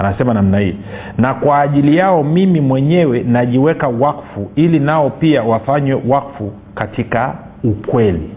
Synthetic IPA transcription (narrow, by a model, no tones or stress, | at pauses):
anasɛmanam̩nahḭ | nakwaːʄilijaɔmimimwɛɲɛwɛnaʄiwɛkawakfuilinaɔpiawafaɲwɛwakfu | katika | ukwɛlḭ